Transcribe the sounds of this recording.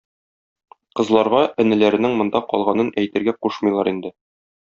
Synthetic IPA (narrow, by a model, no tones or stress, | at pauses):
qɤ̆zlˠɑɾʁɑʔɘ̆nɘ̆læɾɘ̆nɘŋmŏnd̪ɑqɒ̰lˠʁɑnɤnʔæjt̪ɘ̆ɾɡæquʃmɤ̆jlˠɑɾind̪ɘ